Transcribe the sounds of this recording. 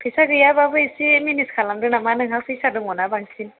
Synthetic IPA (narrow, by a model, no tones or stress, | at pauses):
pisaɡijababuisiminiskalamdunamanɨŋɦasiʃadumonabaŋsin